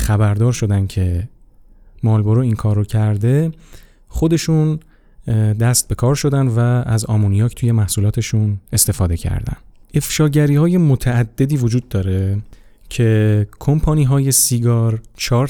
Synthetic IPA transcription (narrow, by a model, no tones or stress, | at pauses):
χæbæɾd̪ɒːɾʃo̞d̪æncʰe̞ | mɒːlbo̞ɾoiːŋkʰɒːɾːocʰæɾd̪e̞ | χo̞d̪e̞ʃun | d̪æst̪̚be̞kʰɒːɾʃo̞d̪ænd̪vææzɒːmonijɒːcʰt̪ʰuje̞mæhsulɒːt̪ʰe̞ʃune̞st̪e̞fɒːd̪e̞cʰæ̰ɾd̪æ̰nd̪ʔe̞fʃɒːɟæɾiːhɒːje̞mot̪ʰæːd̪̥ːe̞d̪iːvod͡ʒuːd̪ːɒːɾe | cʰe̞kʰompʰɒːniːɦɒːje̞siɡɒːɾt͡ʃʰɒːɾ